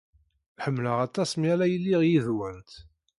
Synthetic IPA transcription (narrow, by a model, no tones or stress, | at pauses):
ħəmːləʁæt̪ɑsmælæjəlːiʁjiðwənt̪